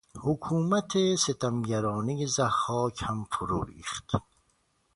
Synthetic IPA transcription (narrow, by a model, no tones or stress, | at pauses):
hukʰuːmæt̪ʰeset̪ʰæmɟæɾɒːnijezæhɒːcʰhæmfuɾuːɾḭːχt̪